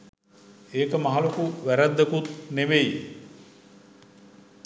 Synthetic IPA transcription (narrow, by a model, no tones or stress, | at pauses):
eːkəmaɦalokuʋæɾæd̪ːekut̪neʋeji